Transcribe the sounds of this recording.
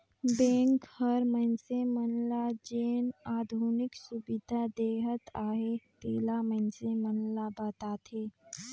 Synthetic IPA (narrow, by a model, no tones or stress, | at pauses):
bẽŋkhəɾmənsemənlad͡ʒeːnaːd̪ʱunɪksubid̪ʱad̪eːɦət̪aːɦet̪eːlamənsemənlabət̪at̪ʰe